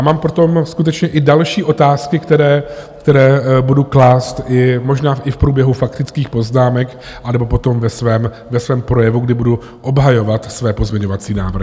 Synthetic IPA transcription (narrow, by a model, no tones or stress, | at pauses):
jaːmaːmpɾot̪o̞mskut̪̬ɛt͡ʃɲɛʔɪdalʃiːʔo̞t̪aːskɪkt̪ɛɾɛːkt̪ɛɾɛːbuduklaːst̪ɪmo̞ʒnaːʔɪfpɾuːbjɛɦufakt̪ɪt͡skiːxpo̞znaːmɛk | ʔanɛbo̞p̬o̞t̪o̞mvɛsvɛːm | vɛsvɛːmpɾo̞jɛvuɡdɪbudu | ʔo̞bɦajo̞vat̪svɛːpo̞zmɲɛɲo̞vat͡siːna̰ːvɾr̩hɪ